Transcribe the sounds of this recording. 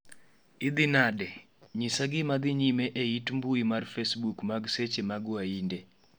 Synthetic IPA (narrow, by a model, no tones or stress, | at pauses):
ɪd̪ɪnadɛ | ɲisaɡɪmad̪ɪɲimeʔeitmbuimarfesbukmaɡset͡ʃemaɡwainde